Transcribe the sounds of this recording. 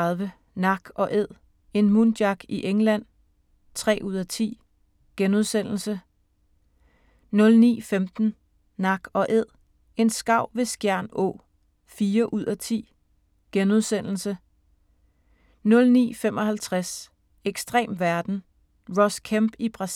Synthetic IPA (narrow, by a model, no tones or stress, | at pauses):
ðˠʋə | nɑ̈ɡ̥ɒ̽ʔe̝ð̰ˠ | e̝nmund̥jɑ̈ɡ̥iʔeŋlæn̰ | t͡sʰʁɛ̰ːʔuð̞̰ˠæt͡sʰḭː | ɡ̥enuð̞ˠsen̰l̩sə | nɔ̽lnḭːfemd̥n̩ | nɑ̈ɡ̥ɒ̽ʔe̝ð̰ˠ | e̝nsɡ̥ɑ̈ʊ̰ʋe̝sɡ̥jæɐ̰nɔ̰̽ː | fiːɐʔuð̰ˠæt͡sʰḭː | ɡ̥enuð̞ˠsn̰l̩sə | nɔ̽lnḭːfem̰ɒ̽hælt͡sʰʁas | eɡ̥sd̥ʁɛ̰ːmʋæɐd̥n̩ | ʁɒskʰæmb̥ib̥ʁɑ̈s